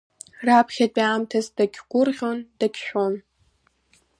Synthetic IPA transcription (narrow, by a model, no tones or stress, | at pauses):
rapʰχʲatʼiaːmtʰazdaɡʲʰɡʷʊrʁʲo̞ndaɡʲʰʃʷᶣon